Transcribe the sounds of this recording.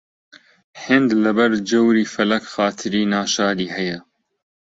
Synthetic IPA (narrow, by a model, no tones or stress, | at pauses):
ħɪnd̪lɐbɐɾd͡ʒɐwɾiːfɐlɐkxaːt̪ʰɨɾiːnaːʃaːd̪iːhɛjɐ